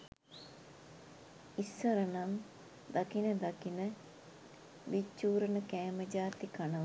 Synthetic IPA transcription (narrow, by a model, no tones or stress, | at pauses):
isːəɾənan | d̪akinəd̪akinə | ʋit͡ʃːuːɾənəkæːməd͡ʒaːt̪ikanəʋ